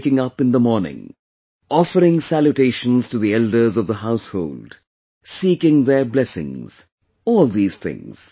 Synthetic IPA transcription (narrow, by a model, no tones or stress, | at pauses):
kɪ̃ŋʌpɨ̃nðəmɔɹnɪ̰̃ŋ | ɔfəɾɪ̃ŋsæljuʈeɪʃə̃nz̥tuðiɛldə˞zʌvðəhaʊsho̰ʊld | siːkɪ̃ŋðə˞blɛsɪ̰̃ŋz̥ | ɔːlˠd̪iːz̥θʰɪ̰̃ŋz̥